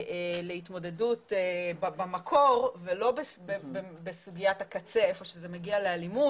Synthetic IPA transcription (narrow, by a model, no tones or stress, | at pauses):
ʔeleitmo̞de̞dutebbamakʰo̞ʁvelo̞bebebebesuɡijatakat͡se̞efo̞ʃezemeɡialealimu